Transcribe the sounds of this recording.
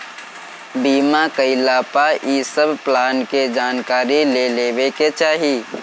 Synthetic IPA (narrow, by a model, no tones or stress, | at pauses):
biːmakəɪlaːpaʔiːsəbʱplaːnked͡ʒaːnkaːɾileleːweket͡ʃaːɦiː